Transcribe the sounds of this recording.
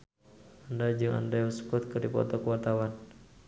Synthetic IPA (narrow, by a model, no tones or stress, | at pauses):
andad͡ʒɨŋa̰ndajusə̥kut̪̚kɨrdipɔ̰t̪ɔkəwart̪awan